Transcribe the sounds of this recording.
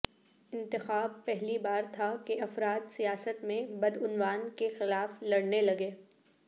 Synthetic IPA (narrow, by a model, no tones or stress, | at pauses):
ɪ̃nt̪ɪxaːb̚pɛɦlibaːɾt̪ʰakeʔɐfɾaːt̪sijaːsət̪mẽbɐd̪ʊnʋaːnkexɪlaːflɐɽnelɐɡeː